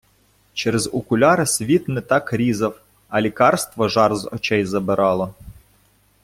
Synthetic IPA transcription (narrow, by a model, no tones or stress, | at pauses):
t͡ʃɛɾezʊkʊlʲɑɾsʲʋʲit̪nɛt̪ɑkɾʲizɐw | ɐlʲikɑrst̪ʋɔʒɑrzɔ̰t͡ʃɛjzɐbɪɾɑlˠɔ